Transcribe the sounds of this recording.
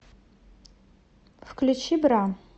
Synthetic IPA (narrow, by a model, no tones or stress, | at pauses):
fkʰlʲut͡ʃʰibra